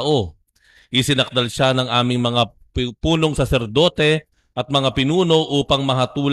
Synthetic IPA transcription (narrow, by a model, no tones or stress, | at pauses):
ʔo̞ | ʔɪsɪnɐk̚d̪ɐlʃanɐŋʔaːmɪŋmɐŋa | puːno̞ŋsɐsɛɾd̪o̞ːt̪ɛ | ʔɐt̪̚mɐŋapɪnuːno̞ʔuːpɐŋmɐɦɐt̪uːl